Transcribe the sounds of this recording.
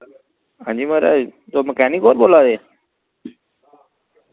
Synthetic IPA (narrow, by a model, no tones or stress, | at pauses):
ɦãːd͡ʑiːməɾa̰t̪oːməkɛːnikoːɾboːlad̪eː